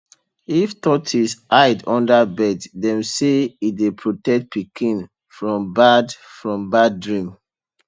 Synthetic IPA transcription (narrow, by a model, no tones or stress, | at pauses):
iftɔtʰisʔajdɔ̃ndabɛddɛ̃mseidepʰɹotɛk̚t̚pʰikʰĩn | fɹɔ̃mbadfɹɔ̃mbaddɹĩm